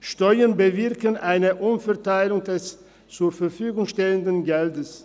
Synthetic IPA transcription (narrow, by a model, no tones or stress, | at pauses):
ʃtɔʏɐnbəvɪɐkənʔaɪnəʔʊnfɛɐtaɪlʊŋdɛs | t͡suːɐfɛɐfyːɡʊŋʃtɛləndənɡɛldəs